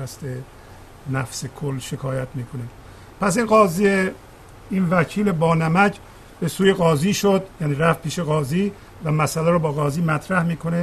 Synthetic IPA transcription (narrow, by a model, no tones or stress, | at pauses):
æst̪e | næfsekʰolːʃe̞kʰɒːjæt̪miːkʰone | pʰæs̬inɢɒːzie | iːnvæcʰiːle̞bɒːnæmæcʰ | be̞suːje̞ɣɒːziːʃod̪jæːniːɾæft̪̚pʰiːʃe̞ɣɒːziː | væmæsælæɾobɒːɣɒːziːmæt̪ʰɾæhmiːkʰo̞ne